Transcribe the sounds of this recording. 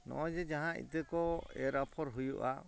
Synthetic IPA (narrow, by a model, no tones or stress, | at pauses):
nɔ̰ʔɔd͡ʒɛd͡ʒaɦãʔḭt̪əkɔɛɾapʰɔɾɦujṵʔa̰